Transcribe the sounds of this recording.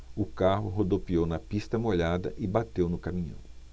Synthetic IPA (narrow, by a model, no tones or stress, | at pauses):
ʊkaɦʊɦod̪opiownɐpist̪ɐmoʎad̪ɐ̰ʔɪbat̪ewnʊkamĩɲɐ̰̃w̃